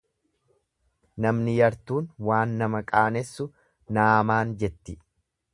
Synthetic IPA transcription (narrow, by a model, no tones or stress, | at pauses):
nɐmnɪjɐɾt̪uːnwaːnːɐmɐkʼaːnɛsːʊ | naːmaːnd͡ʒɛt̪ːɪ